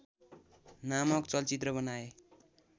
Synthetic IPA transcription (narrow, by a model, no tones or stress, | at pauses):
namʌkt͡sʌlt͡sit̪rʌbʌnae